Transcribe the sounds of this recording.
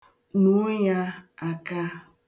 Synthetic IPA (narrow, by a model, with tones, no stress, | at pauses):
nu˨˦ja˦a˨ka˦